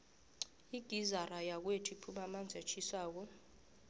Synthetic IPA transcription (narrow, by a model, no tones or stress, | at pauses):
iɡ̥ʱizarajak̬wetʰipʰumamand͡zʱat͡ʃʰʼisaːk̬ɔ